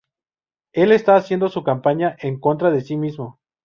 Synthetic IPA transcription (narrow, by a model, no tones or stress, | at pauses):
e̞le̞st̪aːsje̞nd̪o̞sukampaɲaʔeŋko̞nt̪̬ɾaðe̞simizmo̞